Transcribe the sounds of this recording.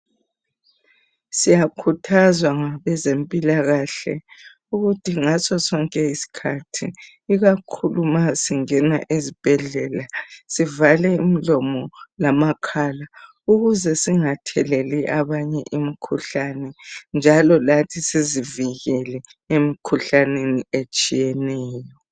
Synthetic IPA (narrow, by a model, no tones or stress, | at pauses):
sijakʰutʰazwaŋaβɛzempʼilaɣaɬɛ̰ | uɣutʰiŋasɔsɔŋkʼɛisi̥kʰatʰi | iɣakʰulumasiŋɛna̰ʔezib̥ʱɛɮɛːlasivalɛim̩lɔmɔlamakʰala | uɣuzɛsiŋatʰɛlɛliʔaβaɲɛʔimikʰuɬanɛnd͡ʒʱalɔlatʰisiziviɣɛlɛemikʰuɬaneniet͡ʃʼijɛnɛːjɔ